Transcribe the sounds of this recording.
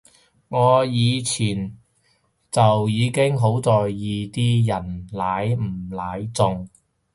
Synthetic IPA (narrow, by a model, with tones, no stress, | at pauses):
ŋɔː˨˧jiː˨˧t͡sʰiː˨˩n | t͡sɐ˨wjiː˨˧kɪ˥ŋɦo˨˥wt͡sɔː˨jːiː˨˧t̪iː˥jɐ˨˩nlaː˨˥jm̩˨˩laː˨˥jt͡sʊ˨˧ŋ